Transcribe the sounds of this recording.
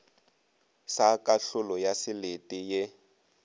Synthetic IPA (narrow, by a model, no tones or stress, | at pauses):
sakʼaɬʊlɔjasɪletʼijɪ